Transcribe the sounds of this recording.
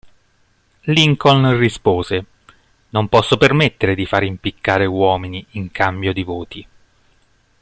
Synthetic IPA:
liŋkonrispoːze | nompɔsːopermet̪ːeɾed̪ifaːɾimpikʰːaːɾewɔːminiːŋkʰambjod̪ivoːt̪i

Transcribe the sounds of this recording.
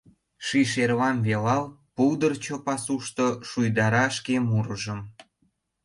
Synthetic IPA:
ʃiʃerβɑmβelɑlpuwd̪ərt͡ɕopɑsuʃt̪oʃujd̪ɑɾɑʃkemuɾəʒəm

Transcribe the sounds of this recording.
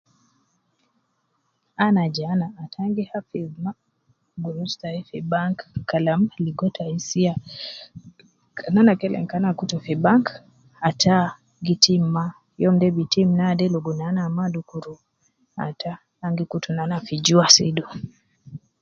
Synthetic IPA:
anad͡ʒanaːtʰaŋɡihafizma | ɡuɾustaifibaŋkkːalamaliɡɔtʰaisia | kananakɛlɛ̰ŋkanakutɔfibaŋk | atʰa | ɡitʰim̩ma | jɔm̩dɛbitim̩nadɛlɔɡunanamadukuɾu | a̰taː | ŋɡikutunanafid͡ʒuasidu

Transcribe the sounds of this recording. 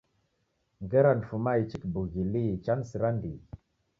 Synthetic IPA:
ŋɡəɾanfumait͡ʃikbuɣilit͡ʃansiɾandi

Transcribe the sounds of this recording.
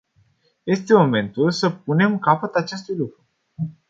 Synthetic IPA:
je̞st̪e̞mo̞me̞nt̪ulsəp̚une̞mkapət̪at͡ʃe̞st̪ujlukɾu

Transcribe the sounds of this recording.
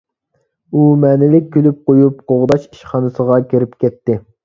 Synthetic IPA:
umɛːnɪlɪk̚ʲːʰølyp̚qojupqoʁd̪ɑʃi̥ʃχɑnɨsəʁɑkʲʰeɾɪpkʲɛt̪ːɪ

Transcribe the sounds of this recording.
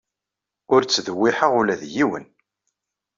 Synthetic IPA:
ʊɾt͡sːðəwːiħəʁʊlæðjiwə̰n

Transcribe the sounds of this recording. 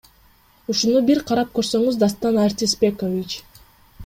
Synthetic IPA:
uʃunubiɾqʰɑɾɑp̚kø̞ɾsø̞ŋyzd̪ast̪ɑnaɾʲt̪ʲispʲe̞kovʲit͡ʃ

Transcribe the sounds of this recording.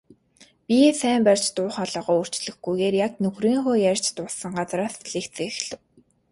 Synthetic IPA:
pʲisæːmpær̥ʲt͡ɕt̪ʊːχaɮɔːʁɔːur̥t͡ɕɮ̥ɘ̆xɡujɣeːrjaknɵxriːŋxoːjærʲt͡ɕt̪ʊɮsə̆ŋɢat͡sraːsɮeːk̪t͡seːxɮɘ̆w

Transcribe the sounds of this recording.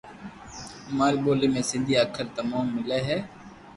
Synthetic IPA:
maːɾːɓoːleːmẽːsɪ̃nd̪ʱiːaːkʰəɾt̪əmaːmːɪleːɦɛː

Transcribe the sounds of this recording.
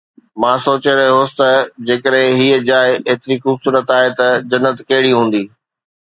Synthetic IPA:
mãːsoːt͡ɕeɾɐɦeɦoːsɪt̪ɐd͡ʑeːkəɾɦɪ̃ɦiːəd͡ʑaːeʔeːt̪ɪɾixuːbsuːɾət̪aːɦet̪ɐd͡ʑɐnːət̪kɐɦɪɽiɦũːn̆d̪iː

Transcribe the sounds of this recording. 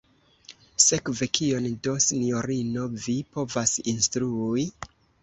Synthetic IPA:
sekve̞kʰio̞ndo̞sino̞ɾino̞vipo̞vasinstɾui

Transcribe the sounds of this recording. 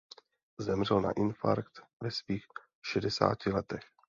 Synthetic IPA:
zɛmr̝ɛlna̰ʔɪnfa̰ɾkt̪vɛsviːx | ʃɛdɛsa̰ːcɪlɛt̪ɛx

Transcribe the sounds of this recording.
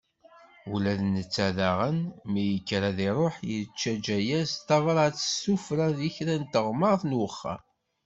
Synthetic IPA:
ulæðnət͡sːæðaʁənmijəkːɾæðiɾˤoħjət͡ʃːæd͡ʒæjæst̪ɑvəɾˤt͡sːə̥sufɾæðiçɾænt̪əʁməɾθnwəχːa̰

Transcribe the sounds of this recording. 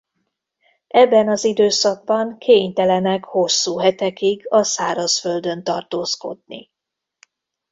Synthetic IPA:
ɛbːɛnɒzid̪øːsɒɡ̚bɒŋkʰeːɲt̪ɛlɛnɛkho̞sːuːɦɛt̪ɛkiɡɒsaːɾɒsfø̞ld̪ø̞nt̪ɒrt̪oːsko̞̰d̪̚nḭ

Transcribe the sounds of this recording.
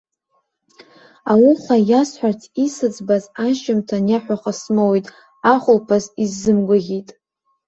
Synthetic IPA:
awuχʷajasħʷᶣartʰisɨd͡zbazaʃɪmtʰanjaħʷaχasmowijtʼ | aχʷʊlpʰazizːɨmɡʷaʁʲitʼ

